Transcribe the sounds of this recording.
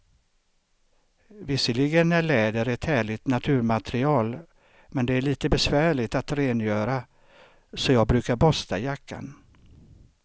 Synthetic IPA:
vɪsːəlɪɡənːæɭɛːd̪əɾɛt̪hæːɭɪt̪nat̪ʰʉ̟ːɾmat̪ɾɪɑːl | mɛnd̪ɛæɭiːt̪əbɛsvæːɭɪt̪at̪ɾeːnjœːɾa | sɔjɑːɡ̚bɾʉ̟ːkaɾbɔst̪a̰jakʰːa̰n

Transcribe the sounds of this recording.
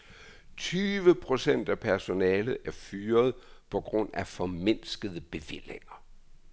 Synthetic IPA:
t͡sʰyːʋəpʰʁo̝sen̰d̥æpʰæɐso̝nɛːlð̩ˠæɐfyːɐð̞ˠpʰɒ̽ɡ̥ʁɔ̽n̰æfɒ̽me̝n̰sɡ̥əðˠəb̥e̝ʋel̰eŋɐ

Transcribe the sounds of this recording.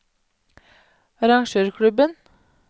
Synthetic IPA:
ɑɾɑŋʃøːɾkʰɽʉbən

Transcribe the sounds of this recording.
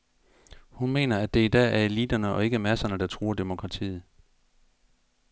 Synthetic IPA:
hunme̝̰ːnɐæd̥e̝id̥ɛ̰ːæɐe̝lid̥ɐnəʔɒ̽e̝ɡ̥əmæsɐnəd̥ɑ̈t͡sʰʁuːɐd̥e̝mo̝kʰʁɑ̈t͡sʰḭːð̩ˠ

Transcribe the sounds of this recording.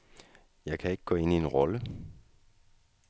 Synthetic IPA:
jɑ̈ɪkʰæe̝ɡ̥əɡ̥ɔ̽ːe̝nie̝nʁɒlə

